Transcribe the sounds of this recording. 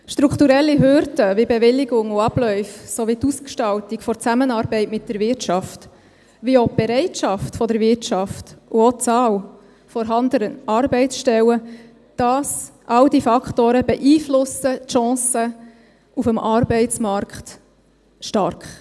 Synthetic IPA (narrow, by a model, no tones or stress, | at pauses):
ʃt̪ɾukʰt̪uɾɛlːiɦøɾdəvɪbɛʋɪlːɪɡʊŋʊɑb̥lœʏfsɔʋit̪uskʃtɑltikfɔɾt͡sæmənɑːɾbɛɪtmɪt̚d̥əɾvɪtt͡ʃɑft | ʋiob̥ɛɾɛɪtʃɑftfɔd̪əɾvɪɾtt͡ʃɑftʊot͡sɑːl | fɔɾɦɑnd̪əɾəɑɾbɛɪsʃtɛwə | d̥ɑsʔɑwdifɑkχtoːɾəb̥ɛʔiːflʊsətʃɑ̃ːsə | ufəmʔɑɾbɛɪt͡smɑɾkt̪ | ʃtɑɾkχ